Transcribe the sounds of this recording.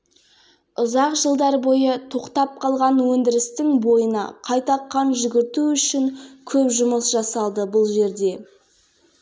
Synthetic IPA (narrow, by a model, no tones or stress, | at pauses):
ʊzɑqʒəlˠd̪ɑɾbo̞jət̪ʰo̞qt̪ɑp̚qʰɑlˠʁɑnwɵnd̪ɪɾɪst̪ɪŋbo̞jənɑ̰qʰɑjt̪ɑqʰːɑnʒʏɡʲɪɾt̪uʏʃɪŋkʲʰɵpʒʊməsʒɑsɑlˠd̪əbʊlˠʒe̞ɾd̪e̞